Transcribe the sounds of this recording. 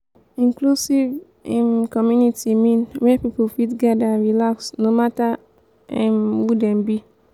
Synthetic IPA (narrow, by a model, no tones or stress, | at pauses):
ĩŋklusiv | ɛ̃mkɔmjunitimĩnwɛpipufitɡadaɹilaksnomata | ɛ̃mhudɛ̃mbi